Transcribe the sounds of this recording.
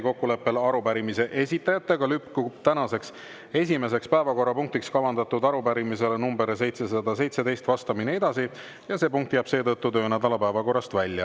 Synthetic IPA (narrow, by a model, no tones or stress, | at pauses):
ko̞kːule̞pːe̞lɑɾupæɾimise̞ʔesʲit̪ːˑɑjɑt̪ːˑe̞ɡ̥ɑlypkubt̪ænɑse̞ks | e̞sʲime̞se̞kspæevɑko̞rːɑpuŋk̚t̪ikskɑvɑnd̪̥ɑt̪ːud̪ɑɾupæɾimise̞lenumbe̞ɾse̞jt̪se̞s̬ɑd̪̥ɑse̞jt̪se̞d̪e̞jst̪vɑst̪ɑminee̞d̪̥ɑsi | jɑse̞ːpuŋk̚t̪ːjɑb̥se̞ːt̪ɤt̪ːut̪ø̞ːnæd̪̥ɑlɑpæevɑko̞rːˑɑst̪vælʲjɑ̰